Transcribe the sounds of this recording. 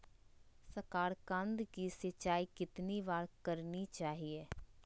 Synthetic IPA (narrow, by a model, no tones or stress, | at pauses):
səkaːɾkãnd̪kisət͡ʃaːiːkɪt̪nibaːɾkəɾnit͡ʃaːɦieː